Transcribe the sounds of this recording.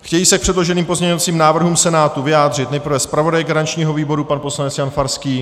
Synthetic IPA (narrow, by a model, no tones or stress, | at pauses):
xcɛjiːsɛk̚pr̥ɛdlo̞ʒɛniːmpo̞zɲɛɲovat͡siːmnaːvr̩ɦumsɛnaːt̪uvɪjaːd̪r̝ɪt̪nɛjprɾ̩vɛspɾavo̞dajɡaɾant͡ʃɲiːɦo̞viːbo̞ɾupanpo̞slanɛt͡sjanfaɾskiː